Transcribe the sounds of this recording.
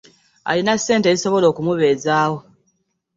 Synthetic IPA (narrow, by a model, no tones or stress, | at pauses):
a̰linasːe̞ːnte̞iso̞βo̞lo̞ːkumuβe̞ːzaːwo